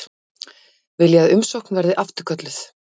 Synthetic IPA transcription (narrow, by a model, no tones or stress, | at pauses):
vɪljaðʏmsowhknvɛɾðɪʔaft̪ʏɾ̥kʰœt̪lɪθ